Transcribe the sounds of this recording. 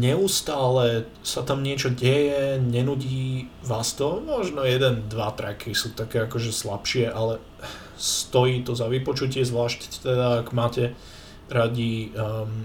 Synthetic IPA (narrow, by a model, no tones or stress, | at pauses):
ɲɛust̪aːlɛ | sat̪amɲɪɛt͡ʃɔɟɛjɛɲɛnuɟiːʋaːst̪ɔmɔʒnɔjɛd̪ɛnd̪ʋat̪ɾɛkisuːt̪akɛːakɔʒɛslapʃɪɛʔalɛ | st̪ɔjiːt̪ɔzaʋipɔt͡ʃucɪɛzʋlaːʃct̪ɛd̪aːɡmaːcɛ | ɾaɟim